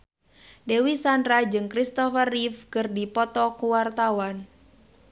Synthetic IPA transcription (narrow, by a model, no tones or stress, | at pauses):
dewisandɾad͡ʒɨŋkɾist̪ɔfərifkɨrdipɔt̪ɔkuwart̪awan